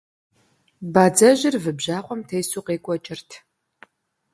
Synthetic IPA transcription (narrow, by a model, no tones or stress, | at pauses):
baːd͡zɐʑɪrvɨbʑaːqʷʼɔmtʰejsuːqeːkʷʼɔt͡ʃʼɪrtʰ